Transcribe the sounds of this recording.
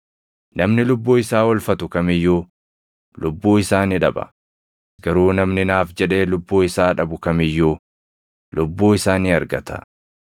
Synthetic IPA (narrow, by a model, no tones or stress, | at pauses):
nɐmnɪlʊbːuːɪsaːwɔlfɐt̪ʊkɐmɪjːuː | lʊbːuːɪsaːnɪᶑɐbɐ̰ | ɡɐɾuːnɐmnɪnaːfd͡ʒɛᶑe̞ːlʊbːuːɪsaːᶑɐbʊkɐmɪjːuː | lʔʊbːuːɪsaːniːɐɾɡɐt̪ɐ̥̰